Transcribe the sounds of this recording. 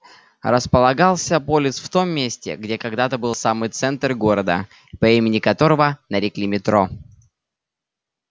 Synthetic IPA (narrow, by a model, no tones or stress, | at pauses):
ɾəspəlˠɐɡalˠsʲəpolʲɪsft̪o̞mːʲesʲtʲɪ̰ɡdʲekɐɡd̪at̪əbɨlˠsamɨjt̪sɛnt̪rɡoɾəd̪ə̰ | pɐimʲɪnʲɪkɐt̪o̞ɾəvənəɾʲɪklʲimʲɪt̪ɾo̞